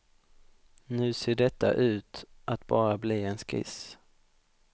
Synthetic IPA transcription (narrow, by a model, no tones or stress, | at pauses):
nʉ̟ːseːɖɛt̪ːa̰ʔʉ̟ːt̪ʔat̪bɑːɾabliːɛnskɪ̰s